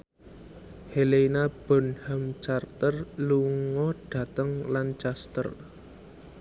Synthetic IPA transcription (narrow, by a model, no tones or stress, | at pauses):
heleinab̥ɔ̤nhamt͡ʃart̪ərluŋɔɖ̥ä̤t̪əŋlant͡ʃast̪ə̰r